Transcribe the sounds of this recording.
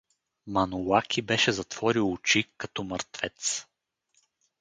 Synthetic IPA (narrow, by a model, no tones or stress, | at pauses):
mɐnulakʲʰibɛʃɛzɐt̪v̥ɔɾilˠʊt͡ʃikɐt̪ɔməɾt̪vɛt̪s